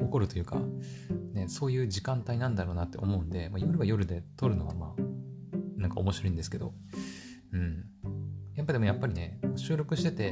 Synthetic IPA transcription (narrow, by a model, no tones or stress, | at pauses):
oko̞ɾɯ̟t̪o̞jɯ̟ːka̰ne̞so̞ːjɯ̟ːʑikãnt̪ainãnd̪aɾo̞ːnat̪ːe̞omo̞ɯ̟̃nd̪e̞maijoɾɯ̟βajo̞ɾɯ̟d̪e̞t̪o̞ɾɯ̟no̞βa̰maː | nãŋka̰omo̞ɕiɾo̞ĩnd̪e̞sɨ̥ke̞d̪o̞̰ | ɯ̟̃ɴ | japːad̪emojapːaɾʲine̞oɕɨːɾʲo̞kɯ̟ɕi̥t̪e̞t̪e̞